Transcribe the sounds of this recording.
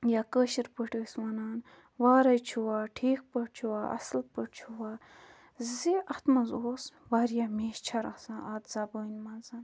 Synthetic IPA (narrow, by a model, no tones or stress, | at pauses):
jakəʃiɾpəʈəːswɐnaːn | ʋaːɾɐjt͡ʃʰuwaːʈʰiːk̚pəʈ̚t͡ʃʰuwaːʔɐ̰slpəʈt͡ʃʰuwaː | ziʔɐt̪mɐzoːsʋaɾjameːʃt͡ʃʰɐɾɐ̰sãːʔɐt̪zɐbəːnʲmɐzɐn